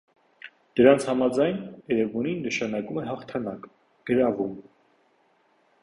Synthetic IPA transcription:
d̪̥əɾɑnt͡sʰhɑmɑd͡zɑjnɛɾɛvɔninːəʃɑnɑkumɛɦɑχt̪ʰɑnɑk | ɡ̥əɾɑvum

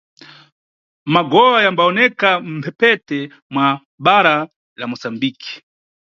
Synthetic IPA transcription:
maɡɔwajambaɔnɛkam̩pʰɛpɛtɛ | mwa | ɓaɾa | lamɔsambiki̥

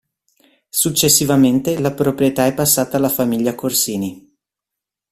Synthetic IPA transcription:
sut͡ʃːesːivament̪elapɾopɾijet̪aɛpːasːaːt̪aːlːafamiʎːakorsiːni

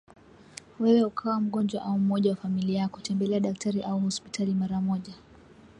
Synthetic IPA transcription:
wɛwɛukʰawam̩ɠɔnd͡ʒwaʔaum̩ɔʄawafamiliaku̥tʰɛmbɛlɛaɗak̚tʰaɾiʔauhɔspitʰalimaɾamɔʄa

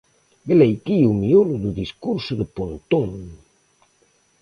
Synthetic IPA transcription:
belejkiumioluðuðiskuɾsuðəpont̪oŋ

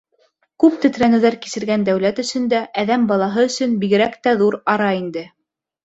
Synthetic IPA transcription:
kʉp̚t̪ɵ̆t̪ɾænɘ̆wðæɾki̥sɘ̆ɾɡænd̪æwlæt̪ɵ̆sɵ̆nd̪æʔæðæmbɑlˠɑɦɤɵ̆sɵnbiɣɘ̆ɾækt̪æðuɾɑɾɑind̪ɘ

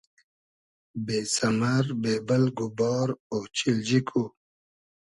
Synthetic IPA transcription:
beːsɐmaɾbeːbəlɡubɔːɾoːt͡ɕild͡ʑikʰu

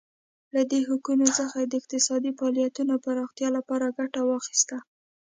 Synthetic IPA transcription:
lad̪eɦukunosəxad̪əɪq̚t̪ɪsɑd̪ifɑlijat̪unapaɾɑxt̪jɑlapɑɾaɡaʈawɑxi̥st̪a

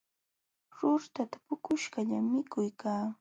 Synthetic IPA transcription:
ɾʊɾt̪at̪ḁpʊkʊʃɢaʎamɪkʊjkaː

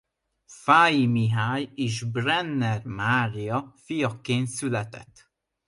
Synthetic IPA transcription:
faːjimiɦaːjeːʒbrɛnːɛrmaːrijɒfijɒkeːnt̪sylɛt̪ɛ̰t̪ː

